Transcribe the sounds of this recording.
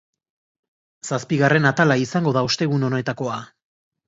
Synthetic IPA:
saspiɣare̞nat̪alaisaŋɡo̞ðaost̪e̞ɣuno̞ne̞t̪ako̞a

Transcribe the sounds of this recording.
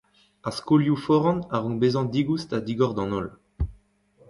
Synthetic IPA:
askoljufɔʁɑ̃naʁɔ̃ŋbezɑ̃d̪iɡustad̪iɡɔʁd̪ɑ̃nɔl

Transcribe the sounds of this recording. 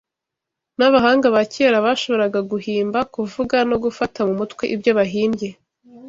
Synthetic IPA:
naβaɦaːŋɡaβaceɾaβaːʃo̞βo̞ɾaɡaɡuɦiːmbakuvuɡano̞ɡufatamumutkwe̞ʔibjoβaɦiːmbje̞

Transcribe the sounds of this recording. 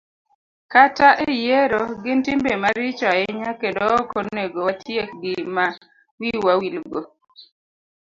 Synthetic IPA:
kataʔejeɾoɡɪntɪmbemaɾɪt͡ʃɔaɛɲakendokoneɡowatʰjek̚ɡɪma | wiwawilɡo

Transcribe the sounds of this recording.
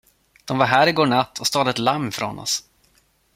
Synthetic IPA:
d̪̥ɔmvaɾɦæːɾɪɡoːɳat̪ʰːɔst̪ɑːd̪ət̪lamːfɾɔ̰nɔ̰s

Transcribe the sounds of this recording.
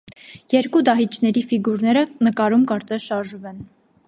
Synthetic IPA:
jɛɾkud̪ɑɦit͡ʃʰnɛɾifiɡuɾnɛɾənəkɑɾumkɑɾt͡sɛsʃɑɾʒumɛn

